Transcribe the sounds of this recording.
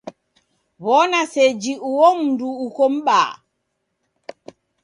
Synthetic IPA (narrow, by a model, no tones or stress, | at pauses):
βɔnased͡ʒiuwomnduːkomɓa̰ː